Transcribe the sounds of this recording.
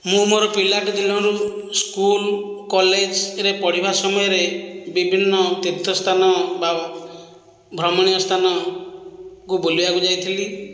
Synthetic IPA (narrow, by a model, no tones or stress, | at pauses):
mũmoɾɔpilaʈɔd̪ilɔɾuskulkɔled͡ʒɾepɔɽ̤ibasɔmɔjɔɾebibʱinːɔt̪it̪ʰːɔst̪ʰanɔba | bʱɾɔmɔɽ̃ijɔst̪ʰanɔ | kuboliakud͡ʒajt̪ʰili